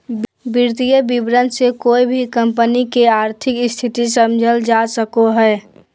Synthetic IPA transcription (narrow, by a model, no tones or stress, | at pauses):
bɪɾt̪ijəbibɾənd̪sekoːibʱikəmpənikeaːɾt̪ʰɪkɪst̪ʰit̪isəmd͡ʒʱəld͡ʒasəkoɦɛː